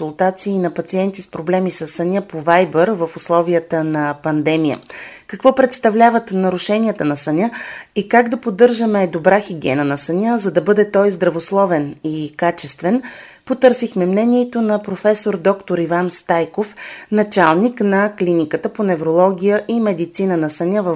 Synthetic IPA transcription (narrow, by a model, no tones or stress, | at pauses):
ʊlˠt̪at̪siːnɐpɐt̪siɛnt̪ispɾoblɛmisɐsːɐnʲapovajbəɾvəfʊslˠɔvijət̪ənɐpɐnd̪ɛmijə̰kɐkvɔpɾɛt̪st̪ɐvlʲavət̪nɐɾʊʃɛniət̪ənɐsɐnʲaikaɡd̪ɐpod̪ɤɾʒəmɛd̪obɾaxiɡʲɛ̰nənɐsɐnʲazɐd̪ɐbɤd̪ɛt̪ɔjzd̪ɾɐvoslˠɔvɛnikat͡ʃɛst̪vɛn | pot̪ɤɾsixmɛmnɛnʲiɛt̪onɐpɾofɛsoɾd̪ɔkt̪oɾivanst̪ajkofnɐt͡ʃalˠniknɐklinikət̪əponɛvɾolˠɔɡʲijəʔimɛd̪it̪sinənɐsɐnʲavə